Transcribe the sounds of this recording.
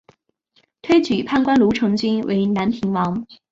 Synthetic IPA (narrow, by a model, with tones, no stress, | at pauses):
t̪ʰwe˥ɪt͡ɕy˨˩pʰa˥˧nkwa˥nlu˨˧˥ʈ͡ʂʰɤ˧˥ŋt͡ɕi˥nwʔḛ˧˥ɪna˨˥npʰi˨˧˥ŋwɑ˨˥ŋ